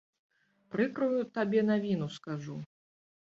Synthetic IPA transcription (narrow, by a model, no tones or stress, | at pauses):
pɾɨkɾujut̪abʲɛnavʲinuskaʐu